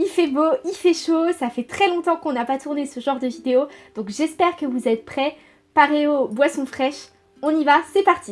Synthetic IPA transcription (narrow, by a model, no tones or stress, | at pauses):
ifɛboifɛʃosafɛt̪χɛlɔ̃t̪ɑ̃kɔ̃napat̪uʁnesəʒɑ̃ʁd̪əvid̪eod̪̥ɔ̃kʒɛspɛʁkəvuzɛt̪̚pχɛ | paʁeobwasɔ̃fχɛʃ | ɔ̃nivasɛpaʁt̪i